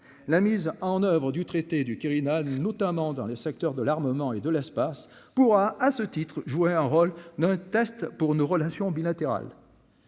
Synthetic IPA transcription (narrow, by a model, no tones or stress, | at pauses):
lamizɑ̃nœvʁəd̪yt̪χet̪ed̪ykʲiʁinalnɔt̪amɑ̃d̪ɑ̃lesɛk̚t̪œʁd̪əlaʁməmɑ̃ed̪əlɛspas | puʁaasət̪it̪χʒueɛ̃ʁold̪ɛ̃t̪ɛst̪puʁnoʁəlasjɔ̃bilat̪eʁa̰l